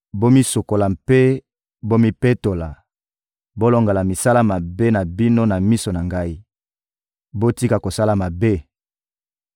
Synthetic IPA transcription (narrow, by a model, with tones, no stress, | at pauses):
bo˦mi˦so˨ko˨la˨mpe˦ | bo˦mi˦pe˦to˨la˨ | bo˦lo˨ŋɡa˨la˨mi˨sa˦la˦ma˨be˦na˨bi˦no˦na˨mi˦so˨na˨ŋɡa˦i˦ | bo˦ti˦ka˨ko˨sa˦la˨ma˨be˦